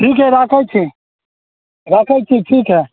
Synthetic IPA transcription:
ʈʰiːkɛɾaːkʰajt͡ʃʰĩ | ɾaːkʰajt͡ʃʰĩʈʰiːkɦɛ

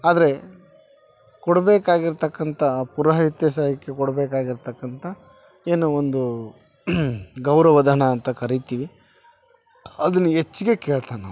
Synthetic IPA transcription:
aːd̪ɐɾe̞ | kɔɽɐbeːkaːɡiɾt̪ɐkːɐnt̪ʰɐpuɾɐɦɐɦit̪jɐʃ̬aːjɐkːe̞kɔɽbeːkaːɡiɾt̪ɐkːɐnt̪ʰɐ | eːnuond̪u | ɡɐwɾɐʋɐd̪ʱɐɳɐːnt̪ɐkɐɾit̪iːʋi | ɐd̪ɐnːuet͡ʃːiɡe̞ke̞ːɭt̪ana̰ː

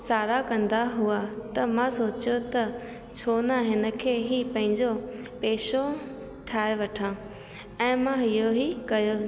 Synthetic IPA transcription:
saːɾakɐ̃nd̪aɦuat̪ɐmãsoːt͡ɕot̪ɐ | t͡ɕʰoːnaɦɪnə̆kʰeːɦipɐ̃ɦɪ̃ɲd͡ʑopeːʃo | ʈʰaːeʋɐʈʰã | ɛ̃ːmãɦɪjoɦikɐjo

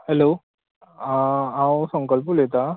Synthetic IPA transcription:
hɛlo | ãwsə̃ŋkəlpulet̪a

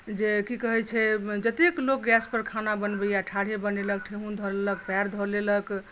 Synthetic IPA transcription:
d͡ʒekikəɦɛt͡ʃʰɛd͡ʒət̪eklok̚ɡɛspəɾkʰanabənbəjaʈʰaɽ̤ebənelək̚ʈʰeɦund̪ʱɔɾelək̚pɛɾd̪ʱɔɾlelək

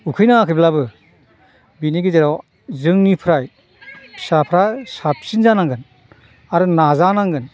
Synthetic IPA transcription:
ukʰɯjnakʰɯjblabɯ | biniɡizeɾaw | zɯŋnipʰɾaj | sapʰɾasap̚sinzanaŋɡɯn | aɾɯnazanaŋɡɯn

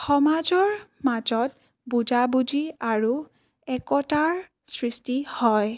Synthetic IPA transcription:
xɔmad͡ʒɔɹmad͡ʒɔt̚ | bud͡ʒabud͡ʒiaɹu | ɛkɔtaɹ | sɹistihɔj

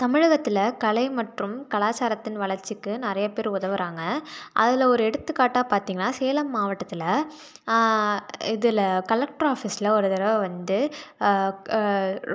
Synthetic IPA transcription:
t̪ɐmɪɻɐɣɐt̪ːɪlɐkɐɭɐɪmɐʈrɯmkɐɭaːt͡ʃaːɾɐt̪ːɪnʋɐɭɐɾt͡ʃːɪkːɯnɪɾɐjɐpeːɾʊðɐʋɯɾaːŋɡɐʔɐ̰ðɪlɔɾɯɛɽɯt̪ːɯkːaːʈːaːpaːɾt̪iːŋɡɐnːaːseːlɐmːaːʋɐʈːɐt̪ːɪlɐ | ɪðɪlkɐlɐk̚ʈɾaːfiːsɪlɐɔɾɯðɪɾɐʋɐʋɐnd̪ɯ

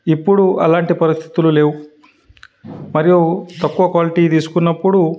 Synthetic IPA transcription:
ipːuɽuʔɐlaːɳʈipɐɾist̪ʰi̥t̪ululeːwu | mɐɾijut̪ɐkːuʋɐkʋaːliʈiːt̪iːsu̥kunːɐpːuɽu

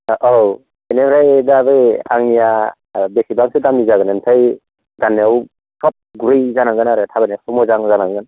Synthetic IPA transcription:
ʔow | enebɾajdabɯja̰ŋnija | besibaŋsɯdamnizaɡɯnɯntʰaj | danːeaw | sʰɔp̚ɡuɾɯjzanaŋɡɯnaɾɯtʰabanasɔmɔzaŋzanaŋɡɯn

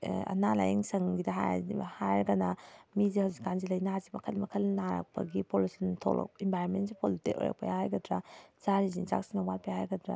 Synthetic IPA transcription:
ɐ̰nala̰jeŋsɐŋɡidɐɦa̰jhajɡɐnamizihawzikːanzilɐjnaazimɐkʰɐlmɐkʰɐlnaɾa̰k̚pɐ̰ɡipolisɐntʰo̰lɐ̰k̚imbʱajɾonmentsipʰolitiko̰ja̰k̚pɐjahajɡɐdɾaz̥aɾizinza̰k̚sinawat̚pajahajɡɐdɾa̰

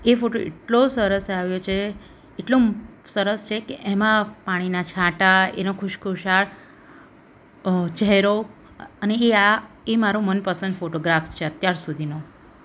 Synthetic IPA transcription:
efoʈoʔḛʈlosəɾəsaʋjot͡ʃʰeː | ʈlosəɾəst͡ʃʰekeʔɛmãpaɽ̃inat͡ʃʰãʈaḛnokʰʊʃkʰuʃaɭ | t͡ʃɛɦɛɾo | əneea | emaɾomənpəsənd̪foʈoɡɾafst͡ʃʰeət̪jaɾsud̪ʱino

